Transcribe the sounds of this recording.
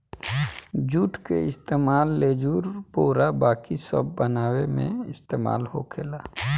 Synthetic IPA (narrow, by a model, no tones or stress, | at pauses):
d͡ʒuːʈkeɪst̪eːmaːlːeːd͡ʒuːɾpoːɾabaːkisə̰bːənaːwemḛ̃ɪst̪eːma̰ːlho̰kʰeːlaː